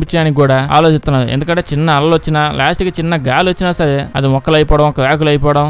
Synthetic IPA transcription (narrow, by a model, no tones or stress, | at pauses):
pit͡ʃːɐaːnikʲkːuːɽaːa̰ːlot͡ʃist̪unːaːɾuend̪ukɐɳʈe̞ːt͡ʃinːɐɐlɐlʋɐt͡ʃːinɐlaːsʈiɡt͡ʃinːɐɡaːluʋɐt͡ʃːinɐsɐd̪eɐd̪imɔkːɐlɐjpɔːɽɐmɔkːɐʋjaːkulɐjpɔːɐɽɐm